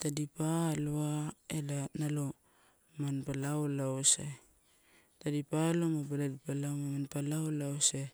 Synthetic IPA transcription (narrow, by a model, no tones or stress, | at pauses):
tadipaloaelanalo | manpalawlawse | tadipalomabaladipalawmamanpalawlawse